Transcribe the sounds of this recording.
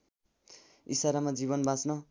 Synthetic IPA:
isaɾamad͡ziβʌnbʱãt͡snʌ

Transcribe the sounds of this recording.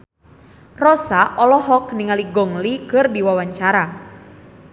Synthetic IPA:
rɔsaʔɔlɔɦɔkniŋaliɡɔŋlikɨrdiwawaɲt͡ʃaɾa

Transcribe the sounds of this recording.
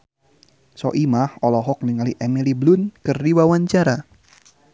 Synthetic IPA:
sɔ̰ʔimahɔlɔɦɔk̚niŋaliʔemiliblʊnkɨrdiwawaɲt͡ʃaɾa

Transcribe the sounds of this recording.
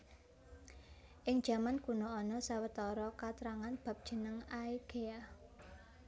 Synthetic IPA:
ʔɪŋd̥ʒ̥a̤mankunoɔnɔsawət̪ɔɾɔkat̪ɾaŋanb̥a̤p̚d̥ʒ̥ə̤nəŋaiɡ̥ea

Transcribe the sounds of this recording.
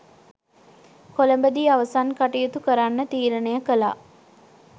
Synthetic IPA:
koləmbəd̪iːaʋəsankaʈijut̪ukəɾanːət̪iːɾənejəkəla̰

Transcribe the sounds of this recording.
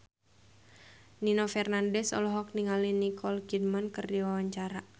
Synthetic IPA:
ninofɛrnandɛsɔ̰lɔɦɔk̚niŋalinikɔlɡid̚mankɨrdiwawaɲt͡ʃaɾa

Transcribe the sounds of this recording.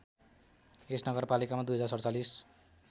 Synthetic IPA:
esnʌɡʌrpalikamad̪ujɦʌd͡zarsʌɾʌt͡salis

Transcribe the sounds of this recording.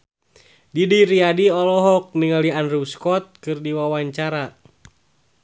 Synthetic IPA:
didiɾiadiɔlɔɦɔk̚niŋalianruskɔt̪̚kɨrdiwawaɲt͡ʃaɾa

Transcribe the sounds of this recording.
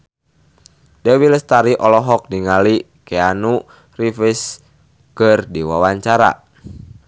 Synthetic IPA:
dɛwiləst̪aɾiʔɔlɔɦɔk̚diŋali | kɛanu | rifis | kərdiwawaɲt͡ʃaɾa̰

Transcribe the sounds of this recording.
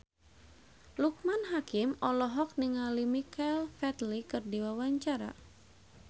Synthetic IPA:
luk̚manɦakimɔlɔɦɔk̚niŋalimikɛlfɛt̪likɨrdiwawaɲt͡ʃaɾa̰

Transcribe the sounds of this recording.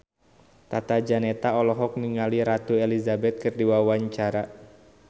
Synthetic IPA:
t̪at̪ad͡ʒanɛt̪aɔlɔɦɔk̚niŋaliɾat̪uelizabɛt̪̚kɨrdiwawaɲt͡ʃaɾa

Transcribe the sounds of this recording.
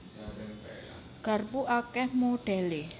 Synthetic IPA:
ɡ̥a̤rpuʔakɛhmoɖ̥ɛ̤le

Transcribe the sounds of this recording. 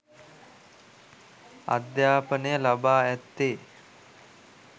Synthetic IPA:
a̰d̪jaːpənəjəlabaːæt̪ːeː

